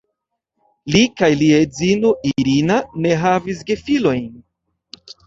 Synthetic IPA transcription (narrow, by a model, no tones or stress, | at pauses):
likajliezinoʔiɾinane̞ɦavis̬ɡe̞filo̞jn